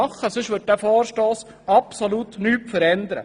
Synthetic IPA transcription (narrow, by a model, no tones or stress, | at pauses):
ɑχːəsɵʃʋɵt̚dæːfɔːɾʃtoːs | ɑpsoluːt̪nyːpfəɾɛnd̪əɾə̰